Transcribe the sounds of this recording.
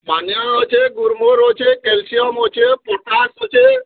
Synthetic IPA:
banjaot͡ʃʰeɡuɾmoɾot͡ʃʰekelsijɔmot͡ʃʰepoʈasot͡ʃʰe

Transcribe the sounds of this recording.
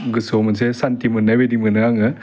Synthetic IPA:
ɡɯsomɯnsesantimɯnːɐbedimɯnɯaŋɯ

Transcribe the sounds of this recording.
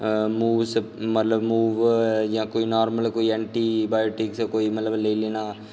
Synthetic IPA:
muːʋsmɐt̪ləbmuːʋjãːkoːinɔːɾməlkoːiɛ̃ːɳʈiːbaːjoːʈɪkskoːimɐt̪ləbleːleːnaː

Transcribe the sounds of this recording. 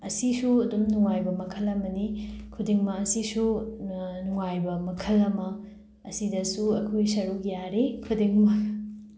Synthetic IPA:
ɐsisuɐdumnuŋajbɐmɐkʰɐlɐmɐnikʰudiŋmɐɐsisu | nuŋajbɐmɐkʰɐlɐmɐ | ɐsidɐsuɐkʰojsɐɾuk̚jaɾekʰudiŋmɐ

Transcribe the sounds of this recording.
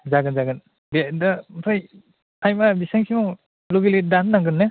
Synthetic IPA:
zaɡɯnzaɡɯn | bedamsʰaj | ajmabisaŋsimɔ | loɡiledanːaŋɡɯnːe

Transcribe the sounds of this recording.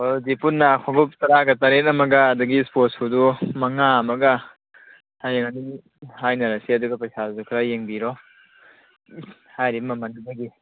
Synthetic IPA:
ozipunːaːkʰɔɡup̚tɐɾaɡɐtɐɾet̚ɐmɐɡɐːduɡispotsudumɐŋaɐmɐɡɐ | hajaŋɐni | hajnɐɾɐsiɐduɡɐpɐjsazukʰɾajeŋbiɾɔ | hajɾibmɐmɐndibɐɡi

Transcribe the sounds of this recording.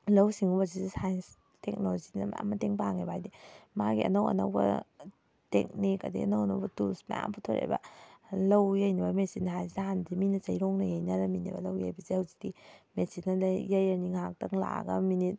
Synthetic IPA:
lɐwsiŋubɐzizisajs | tek̚noozinɐma̰mːɐteŋpaŋebajdimaɡiɐ̰nɐwɐ̰nɐ̰wbɐ̰ | tḛk̚nikɐdḭɐ̰nɐwɐnɐ̰wbɐtusmɐ̰ja̰mputʰoɾḛbɐ̰lɐwjɐjnibɐmesinːɐɦajzidaɦandiminɐt͡ʃɐjɾoŋnɐjajnɐɾɐminḭbɐ̰lɐwjajbɐzihɐwzidimesinːɐlɐjɐjɐniŋak̚tɐŋla̰ɡɐminit̚

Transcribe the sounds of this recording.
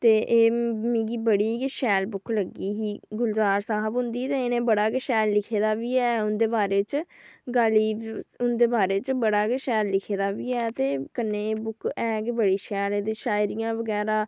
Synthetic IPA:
t̪eːʔeːmĩːɡiːbəɽiːkʃɛːlbʊkləɡiːɦiːɡʊlzaːɾsaːɦəbɦʊ̃nd̪iːt̪eːeːnẽːbəɽaːkɪʃɛːllɪkʰeːd̪aːʋiːɛːʊnd̪eːbaːɾeːt͡ʃɡaːliːʊnd̪eːbaːɾeːt͡ʃəbəɽaːkʃɛːllɪkʰeːd̪aːʋiːɛːt̪eːkənːeːbʊkɛːɡbəɽiːʃɛːleːd̪eːʃaːɪɾijãːʋəɡɛːɾaː

